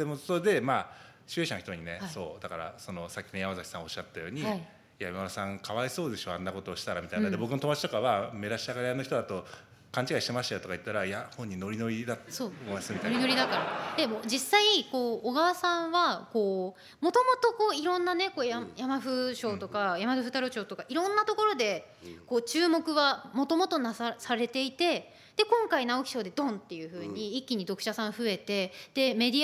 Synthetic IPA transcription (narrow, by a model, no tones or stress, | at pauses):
d̪e̞mosod̪e̞maː | ɕɨeɕanoçi̥t̪o̞ɲ̟ineso̞̰ːd̪akaɾa̰so̞no̞sakʲːinojamazakʲi̥são̞ɕːat̪ːajo̞ːɲ̟iai | jajmaβasãŋkʰaβaiso̞ːd̪e̞ɕo̞ãnːako̞t̪o̞ːɕi̥t̪aɾamʲit̪ajnad̪ebo̞kɯno̞t̪omat͡ɕi̥t̪o̞kaβame̞ɾaɕiaɡaɾejanoçi̥t̪d̪at̪o̞ | kãɲ̟t͡ɕiɡaiɕit̪e̞maɕit̪ajo̞t̪o̞kai̟t̪ːaɾajahõ̞ɲ̟ːino̞ɾʲino̞ɾʲid̪at̪soːβasɨmit̪aɾinoɾʲid̪akaɾad̪emod͡ʑisːaiko̞ːɡaβasãɰ̃βako̞ː | mo̞t̪o̞mo̞t̪o̞ko̞ːiɾõ̞nːane̞ko̞ːjajamaɸɯ̟ɕo̞ːt̪o̞kajamaɸɯ̟ɸɯ̟t̪aɾo̞t͡ɕo̞ːt̪o̞kaʔiɾõ̞nːat̪o̞ko̞ɾo̞d̪e̞ | ko̞ːt͡ɕɨːmo̞kɯ̟βamo̞t̪o̞mo̞t̪o̞nasasaɾe̞t̪e̞it̪e̞ | d̪̥e̞kõ̞ŋkainaokʲi̥ɕo̞ːd̪e̞d̪õ̞nt̪ːe̞jɯ̟ːɸɯ̟ːɲ̟iikʲːiɲ̟id̪o̞kɯ̟̥ɕasãɰ̃ɸɯ̟e̞t̪e̞d̪̥e̞me̞d̪ʲi